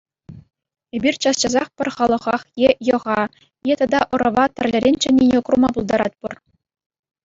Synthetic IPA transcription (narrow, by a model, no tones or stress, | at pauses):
ebʲirʲt͡ɕɑst͡ɕɑzɑχpʲɘ̆rʲχɑlˠɤ̆ʁɑχjejɤ̆ʁɑ | jet̪ɑd̪ɑʔɤ̆ɾɤ̆ʋɑt̪ʲɘ̆rʲlʲɘ̆ɾʲenʲt͡ɕɘ̆nʲːenʲekrumɑbulˠd̪ɑɾɑ̰t̪̚ʲpur